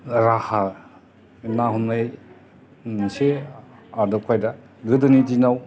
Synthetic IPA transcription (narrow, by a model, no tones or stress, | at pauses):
ɾaha | naɦunmaj | nseadɔkʰajda | ɡɯdɯnit̬inaw